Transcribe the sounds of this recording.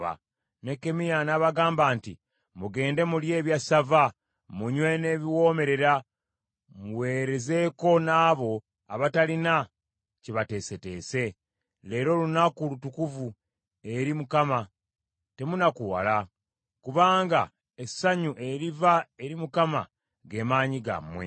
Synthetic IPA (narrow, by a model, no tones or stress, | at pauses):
a̰ | ne̞kːe̞mijanaβaɡaːmbaːntḭ | muɡe̞ːnde̞mulje̞ːβjasava | muɲwe̞ne̞ːβiwo̞ːme̞ɾe̞ɾa | muwe̞ːɾe̞ze̞ko̞naːβo̞ | a̰βatalina | ciβate̞ːse̞te̞ːse̞ | le̞ːɾo̞lunakulutukuvu | e̞ɾimukama | te̞munakuwa̰la | kuβaːŋɡa | esaɲuʔe̞ɾivae̞ɾimukama | ɡe̞maːɲiɡa̰mwe̞̰